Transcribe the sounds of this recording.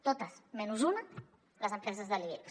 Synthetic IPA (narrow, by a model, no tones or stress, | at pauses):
t̪ot̪əsmɛnuzunɐ | ləzəmpɾɛzəzðəlie